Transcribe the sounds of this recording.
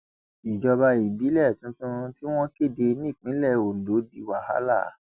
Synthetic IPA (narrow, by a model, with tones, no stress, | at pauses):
i˨d͡ʒɔ˧ba˧i˨bi˨˦lɛ˦˨tũ˦tũ˦ti˦w̃ɔ̃˦ke˦˨de˧nĩ˦˨k͡pĩ˨˦lɛ˦˨o˨n̩˨lo˨˦di˧˨wa˨ha̰˦la̰˦˨